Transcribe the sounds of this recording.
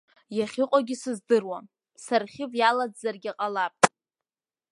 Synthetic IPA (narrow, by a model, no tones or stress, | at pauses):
jaχʲɪqʼaɡʲɪsɨzdɨrwa | sarχʲɪvjalad͡zzarɡʲaqʼalapʼ